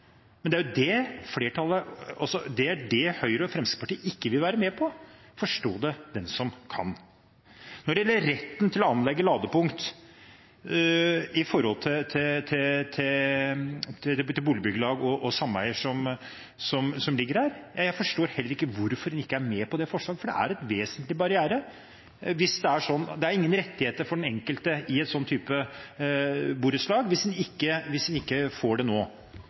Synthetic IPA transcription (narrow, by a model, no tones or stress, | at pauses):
mɛnd̪æɾjʊd̪ɛfleːʈʰɑlːˠəɑsɔd̪ɛæɖɛhœʏɾəɔfɾɛmsɪ̥pɑʈiːɪkːəʋɪlʋæːɾəmɛːpʰɔ | fɔʂʈoːd̪ɛd̪ɛnsɔmkʰɑ̰n | nɔɖɛɪjɛlːəəɾɛt̪ːənt̪ʰɪlɔɑnlɛɡːəlɑːd̪əpʊŋkt̪ | ɪfɔɾhɔlt̪ʰɪt̪ʰɪt̪ʰɪt̪ʰɪ | t̪ɪlbuːlɪəbʏɡəlɑːɡɔʔɔsɑmːəæ̰ɪəʂɔm | sɔmsɔmlɪɡːəɾhæːɾjɑjæɪfɔʂʈoːɾhɛlːəɾɪkːəʋʊɾfɔɾd̪ɛnɪkːəæɾmeːpɔd̪ɛfɔʂɭɑːɡəfɔɖɛ̰ʔæ̰ɾɛt̪ʋeːsənt̪lɪbɑɾɪæːɾə | ʋɪsd̪ɛæʂɔnːd̪ɛæɾɪŋːənɾɛt̪ːɪheːt̪əɾfɔɖɛnɛŋkəlt̪əɪɛt̪sɔnt̪ʰːyːpə | buːɾət̪slɑːɡʋɪsd̪ɛnɪkːəʋɪsd̪ɛnɪkːəfoːɖɛnoː